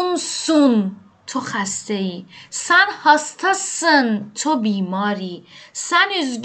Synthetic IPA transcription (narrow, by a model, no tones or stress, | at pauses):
nsun | t̪ʰoχæst̪eisænhɐst̪ʰɐsənt̪ʰobiːmɒːɾisænyzɡ